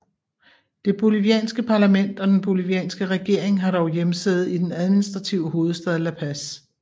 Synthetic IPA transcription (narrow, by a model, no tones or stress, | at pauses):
d̥e̝b̥o̝liʋiɛ̰ːnsɡ̥əpʰɑ̈læmen̰d̥ɒ̽d̥enb̥o̝liʋiɛ̰ːnsɡ̥əʁɛɡ̥e̝ɐ̰e̝ŋɦɑ̈ɾ̥ɒʊjemseð̩ˠid̥enæð̞ˠminisd̥ʁɑ̈t͡sʰiʊəɦo̝ːð̞̩ˠsd̥ɛð̞ˠəlæpʰæs